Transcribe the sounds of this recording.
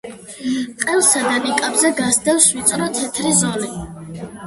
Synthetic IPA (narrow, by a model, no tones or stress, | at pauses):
qʼɛlˠsad̪anikʼabzɛɡasd̪ɛfswit̪sʼɾɔt̪ʰɛt̪ʰɾizɔni